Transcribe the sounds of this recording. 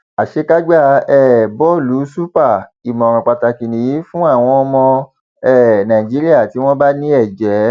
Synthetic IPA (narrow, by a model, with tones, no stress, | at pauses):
a˨ʃe˧ka˦ɡ͡ba˦˧˨ɛ˦˨bɔ˦˨lu˨˦su˦pa˦˨i˨mɔ̃˨ɾɔ̃˨k͡pa˨ta˨ki˨nĩ˨ji˨˦fũ˦a˦˨w̃ɔ̃˧ɔ˧mɔ̃˧ | ɛ˦˨nã˨i˨d͡ʒi˨˦ɾi˦a˦˨ti˨˦w̃ɔ̃˦ba˦nĩ˦ɛ˦˨d͡ʒɛ˨˦